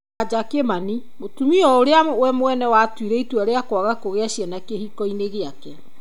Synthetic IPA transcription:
ad͡ʒakemani | motumiɔoɾeawɛmwɛnɛwatwiɾɛitwaɾeakwaɣakoɣeaʃjɛnakehikɔineɣeakɛ

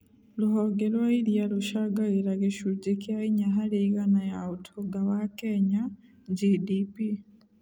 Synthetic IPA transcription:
luhoɡeɾwailjaluʃaɡaɣiɾaɣeʃud͡ʒekjaiɲaɦaleiɣanajautʰoɡawakeɲa | ɟidipi

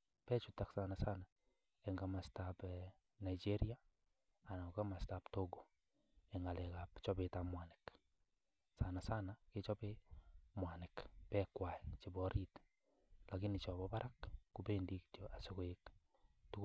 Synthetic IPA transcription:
pɛt͡ʃutaksanasana | ɛŋɡamastap | naid͡ʒeɾia | anakamastaptoɡo | eŋɡalɛkapt͡ʃɔβetamwanek | sanasanaket͡ʃɔpemwanɛkpɛkwaɛt͡ʃeβɔɾit | lakinit͡ʃɔβɔβaɾʔakːupendiktjoʔasokoek | tu

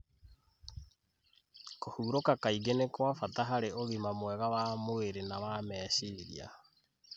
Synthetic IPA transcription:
kohuːɾokakaiɡenekwafataɦaɾeoɣimamwɛɣawamoeɾenawamɛːɕiɾia̰

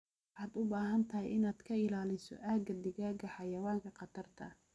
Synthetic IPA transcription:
ħaːd̪ʊbaːɦɐnt̪ʰɐɦɛjɪnaːd̪kʰɐɪlaːlɪsɔ̰ʔaːɡɐd̪ɪɣaːɡɐħɑjɐwaːŋkʰɐqɑt̪ʰɐrt̪ʰɐ

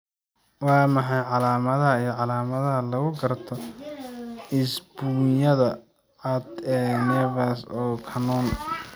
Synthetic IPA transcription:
wɑːmɐħɑjʕɑlaːmɐðɐɦɐijɞʕɑlaːmɐðɐɦɐlɐɣʊɡɐrt̪ʰɔ | ɪsb̥uːjɐðɐ | ʕɐd̪ɛːnɛvasɔːkʰɐnɔn

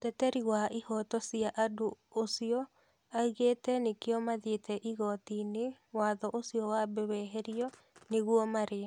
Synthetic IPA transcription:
tɛtɛɾiwaihɔtɔsiaʔadoosiɔ | aiɣetɛnekeɔmaðetɛʔiɣɔtinewaðɔʔosiɔwabɛwɛɦɛɾiɔ | neɣwɔmaɾe

